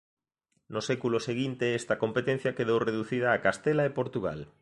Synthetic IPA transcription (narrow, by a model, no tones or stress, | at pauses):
nosɛkuloseɣint̪eest̪ɐkompet̪ẽn̟θjakeðowreðuθið̞aːkast̪elaepoɾt̪uɣa̰l